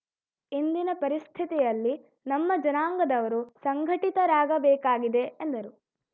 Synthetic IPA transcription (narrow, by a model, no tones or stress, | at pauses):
ind̪inɐpɐɾist̪ʰit̪ijɐlːi | nɐmːɐd͡ʒɐnaːŋɡɐd̪ɐʋɐɾusɐŋɡʱɐʈit̪ɐɾaːɡɐbɛːkaːɡid̪e̞ːnd̪ɐɾu